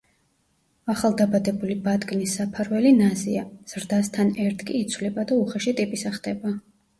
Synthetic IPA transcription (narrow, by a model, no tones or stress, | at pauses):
aχalˠd̪abad̪ɛbulibad̪ɡnisːapʰaɾwɛlinaziaz̥ɾd̪ast̪ʰanɛɾt̪ʰkʼiːt̪sʰvlɛbad̪auχaʃit̪ʼipʼisaχd̪ɛba